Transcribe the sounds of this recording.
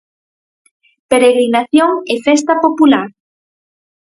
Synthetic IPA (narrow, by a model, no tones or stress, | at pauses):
peɾeɣɾinaθjoŋefɛst̪apopulaɾ